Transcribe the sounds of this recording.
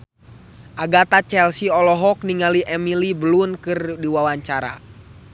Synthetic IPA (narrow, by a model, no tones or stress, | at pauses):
ʔaɡat̪at͡ʃɛlsiɔlɔɦɔk̚niŋaliʔɛmilibəlunkɨrdiwawaɲt͡ʃaɾa̰